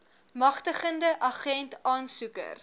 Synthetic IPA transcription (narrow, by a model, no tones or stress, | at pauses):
mɐχtəχəndəʔɐχɛntɑːnsukə̰r